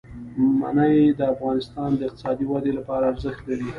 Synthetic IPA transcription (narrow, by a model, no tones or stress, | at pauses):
ma̰najd̪əafɣɑnɪst̪ɑnd̪əɪqt̪ɪ̥sɑd̪iwad̪elapɑɾaːɾzəxt̪laɾi